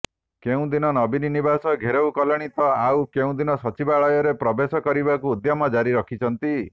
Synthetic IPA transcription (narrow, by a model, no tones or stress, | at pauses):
keũd̪inɔnɔbininibasɔɡʱeɾewkɔlɔɽ̃it̪ɔawkeũd̪inɔsɔt͡ʃibaɭɔjɔɾepɾɔbesɔkɔɾibakuːd̪jamɔd͡ʒaɾiɾɔkʰit͡ʃʰɔnt̪i